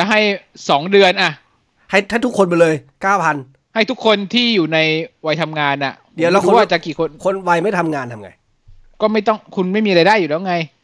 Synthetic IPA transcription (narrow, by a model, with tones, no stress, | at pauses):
t͡ɕa˨˩ɦa˥˩jsɔː˩˦ŋdɯ˧ənʔa˨˩ | ha˥˩jt̪ʰa˥˩t̪ʰu˦˥kʰːo˧nbɔ˧lɤː˧jkaː˥˩wpʰa˧n | ha˥˩jt̪ʰu˦˥kʰːo˧nt̪ʰiː˥˩juː˨˩na˧jwa˧jt̪ʰa˧mŋaː˧nʔa̰˨˩ | di˨˦wlɛː˦˥uː˦˧˦wa˥˩t͡ɕa˨˩kiː˨˩kʰo˧nkʰo˧nwa˧jma˥˩jt̪ʰa˧mŋaː˧nt̪ʰa˧mŋa̰˧j | kɔː˥˩ma˥˩jt̪ɔ˥˩ŋkʰu˧nma˥˩jmiː˧ɾa˧jdaː˥˩juː˨˩lɛː˦˥˧ŋa˧j